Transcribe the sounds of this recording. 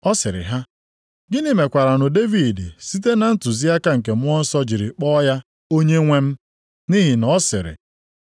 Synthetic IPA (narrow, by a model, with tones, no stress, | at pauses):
ɔ˦sɪ˨ɾɪ̰˨ɦa˦ | ɡɪ˦nɪ˨me˨kʷa˨ɾa˨nʊ˨de˦vi˨dsi˦t̬e˦na˨n̩˦tʊ˨zi˦a˦ka˦ŋ̩˨k̬e˨mʊ˦ɔ˦n̩˦sɔ˦d͡ʒi˨ɾɪ˨k͡pɔ˦ja˦ | o˦ɲe˦ŋʷe˦m̩˦ | ni˦ɦɪ˨nɔ˨˦sɪ˨ɾɪ̰˨